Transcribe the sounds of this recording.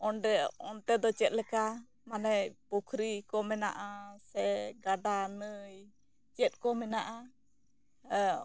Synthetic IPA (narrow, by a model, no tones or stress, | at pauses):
ɔndɛɔnt̪ɛd̪ɔt͡ʃɛt̪̚lɛka | manɛjpukʰɾikɔmɛna̰ʔasɛɡaɖanəj | t͡ʃɛt̪̚kɔmɛnaʔa